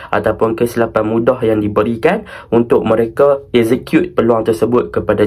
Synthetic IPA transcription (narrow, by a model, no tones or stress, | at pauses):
ʔa̰t̪awpʊnkəsilapat̪̚mũdahjaŋdibəɾikanunt̪ʊʔ̚məɾekaɛkzekjut̪̚pəluaŋt̪ərsəbʊt̪̚kəpada